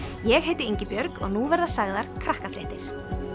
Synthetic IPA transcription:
jɛɣhejt̪ɪeɲcɪpjœɾkɔ̰ɣnuvɛɾðasaɣðaɾ̥kʰɾahkafɾɛht̪ɪɾ̥

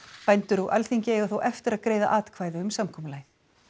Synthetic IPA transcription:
pajnt̪ʏɾuʔa̰lθiɲcɪeɣaθowʔɛft̪ɪɾaðkɾeːjða̰ʔaːt̪kʰv̥aːjðɪʏmsamkʰɔːmlaːjθ

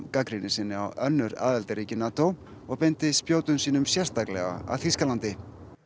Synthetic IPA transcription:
kakɾɪnɪsɪnːɪa̰wœnːʏɾa̰ːðɛlt̪aɾicɪnaːt̪ow | ɔɣpɪnt̪ɪspjoːwt̪ʏnsiːnʏmsjɛr̥st̪aklɛ̰ɣa̰a̰ðθiskalant̪ɪ

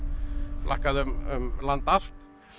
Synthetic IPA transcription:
flʔa̰hkaðʏmʏmlant̪al̥t̪

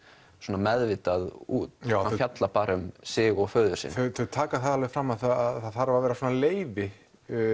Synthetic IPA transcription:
sɔːnamɛðvɪːt̪aðuːt̪aafjat̪lapaːɾʏmsɪːɣɔɣfœːðʏ̥sɪ̰nθœθœt̪ʰaːkaθaðalvɛvɪfɾamːaθaaθaθaɾvaɾvɛːɾasɔːnaleːjvɪ

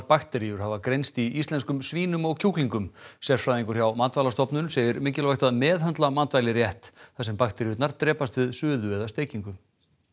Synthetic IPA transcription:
paxt̪ɛɾijʏɾ̥havakɾejnst̪iist̪lɛnskʏmsviːnʏmɔɣcʰuwkliŋkʏmsjɛr̥fɾaːðiŋkʏɾ̥çjawmant̪vajlast̪ɔpnʏnseːjɪɾmɪːcɪlvajht̪aðmɛːðɦœnt̪lamant̪vajlɪɾjɛht̪θasɛmpaxt̪ɛɾijʏt̪naɾt̪ɾɛːpast̪vɪðsʏːðʏɛðast̪eːjciŋkʏ

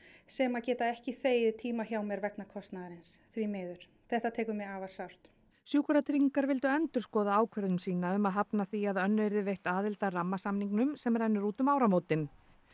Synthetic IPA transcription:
sɛmaðcɛːt̪aɛhcɪθeːjɪðt̪ʰiːmaçawmɛɾvɛknakʰɔst̪naðaɾɪnsθvimɛːðʏɾ̥ | θɛht̪at̪ʰɛːkʏmɛaːvaɾ̥sawr̥t̪ | sjuːkʏɾat̪ʰɾiŋkaɾvɪlt̪ʏɛnt̪ʏ̥skɔːðaaːwkʰœɾðʏmsiːnaʏmaðɦapnaθiaðœnːveɾðɪvejht̪aːðɪlt̪aramːasamniŋknʏmsɛmɛɾɛjnːʏɾuːt̪ʏmaːwɾamoːwt̪ɪn

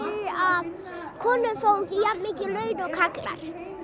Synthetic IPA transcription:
av | kʰɔːnʏfowcɪjammɪːcɪlœɥnɔɣkʰakla̰ɾ̥

